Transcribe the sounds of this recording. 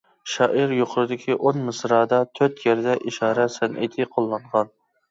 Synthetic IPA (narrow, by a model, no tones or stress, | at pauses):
ʃɑːʔiɾjoqʰʊɾɨd̪ɪkʲʰiʔonmɨsɾɑːd̪ɑt̪ʰøɾt̪jɛɾd̪ɛʔiʃɑːɾɛsɛnʔḛt̪ʰɪqʰolˠːɑɴʁɑn